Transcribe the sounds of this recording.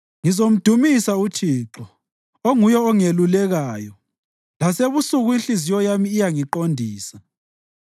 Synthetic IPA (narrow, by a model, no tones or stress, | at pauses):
ŋizom̩d̥ʱumisautʰiǁɔ | oŋujɔɔŋelulɛɣaːjɔ | laseβusuɣuinɬizijɔjamiːjaŋiǃondʱiːsa